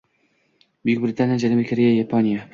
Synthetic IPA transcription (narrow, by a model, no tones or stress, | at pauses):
bʊjʊk̚ʲbɾɪt̪ʰanijad͡ʒalabɾɪkʰaɾejajapʰonʲija